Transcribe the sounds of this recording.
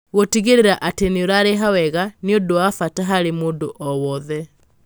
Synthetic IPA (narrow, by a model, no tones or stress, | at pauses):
ɣotiɣeɾeɾaʔateneoɾaɾeɦawɛɣaniondoafataɦaɾemoːndoʔɔwɔðɛ